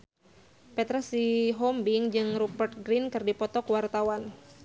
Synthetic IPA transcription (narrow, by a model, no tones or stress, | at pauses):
pɛt̪ɾasiɦɔmbiŋd͡ʒɨŋrupərt̪̚ɡɾinkɨrdipɔt̪ɔkəwart̪awan